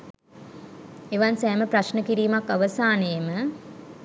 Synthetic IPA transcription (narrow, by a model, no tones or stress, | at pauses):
eʋansæːməpɾaʃnəkiɾiːmakːaʋəsaːneːmə